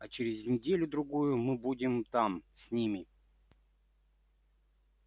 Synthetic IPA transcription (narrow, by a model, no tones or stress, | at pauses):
at͡ɕɪɾʲɪzʲnʲɪdʲelʲʊd̪ɾʊɡujʊmɨbudʲɪmt̪amsʲnʲimʲɪ